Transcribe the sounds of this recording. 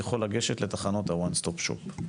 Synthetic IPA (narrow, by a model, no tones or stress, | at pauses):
aχolaɡeʃet̪let̪aχano̞t̪awanst̪opʃo̰p